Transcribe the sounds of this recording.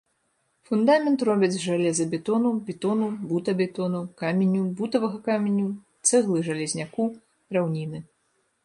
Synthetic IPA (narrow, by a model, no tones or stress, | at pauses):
fund̪amʲɛnt̪rɔbʲɛd͡zʲʐalʲɛzɐbʲɛt̪ɔnubʲɛt̪ɔnubut̪ɐbʲɛt̪ɔnukamʲenʲːubut̪ɐvɐɣɐkamʲenʲːut̪sɛɣlˠɨʐɐlʲɛzʲnʲaku | ɾawnʲinɨ